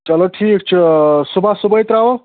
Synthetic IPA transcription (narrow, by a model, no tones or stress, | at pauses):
t͡ʃɐloʈʰiːk̚t͡ʃʰisubʱasubəjt̪ɾawo